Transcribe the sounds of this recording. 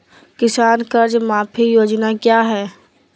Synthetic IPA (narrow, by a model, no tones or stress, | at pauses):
kɪsaːnkəɾd͡ʒmaːpʰijoːd͡ʒnakjaːɦɛː